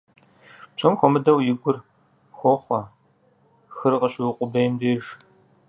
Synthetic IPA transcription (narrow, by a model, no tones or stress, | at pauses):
pʰɔmxʷɔmɨdɐwjɪɡʷʊr | xʷɔχʷɐ | xɨrqɐɕɪwɪqʷʼʊbejmdeːʒ